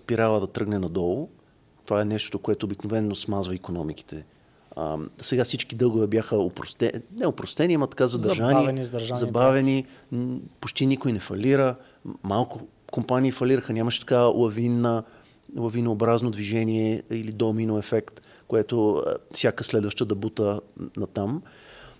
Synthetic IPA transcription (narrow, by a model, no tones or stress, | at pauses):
spiɾavəd̪ɐt̪ɾɤɡnɛnɐd̪ɔlˠo | t̪ovaɛnɛʃt̪ot̪okoɛt̪oːbiknovɛnːosmazvəikonɔmiki̥t̪ʰɛ | ə̰sɛɡafsit͡ʃkid̪ɤlˠɡʊvɛbjaxəopɾost̪ɛnɛopɾost̪ɛnimɐt̪ɐ̥kazɐd̪ɐʒaninzɾʒazɐbavɛni | pot͡ʃt̪inikojnɛfɐliɾə | malˠkʊ | kompaniːfɐlʲiɾəxənʲaməʃɛ̥t̪ɐ̥kalˠɐvinːə | lˠɐvinoːbɾaznod̪viʒɛnʲiɛilid̪ɔminoɛfɛkt̪ | koɛt̪ofsʲakəslɛd̪vəʃt̪əd̪ɐbut̪ənɐt̪am